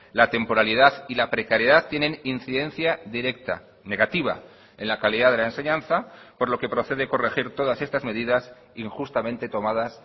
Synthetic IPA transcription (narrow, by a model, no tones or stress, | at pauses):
lat̪e̞mpo̞ɾaliðaðilapɾe̞kaɾjeðat̪ːje̞ne̞ninθiðe̞nθjaðiɾe̞k̚t̪a̰ | ne̞ɣat̪iβ̞a̰ | e̞nlakaliðaðe̞laense̞ɲãnθapo̞ɾlo̞ke̞pɾo̞θe̞ðeko̞re̞xiɾt̪o̞ð̞ase̞st̪azme̞ðiðas | iŋxust̪amẽnt̪e̞t̪o̞mað̞as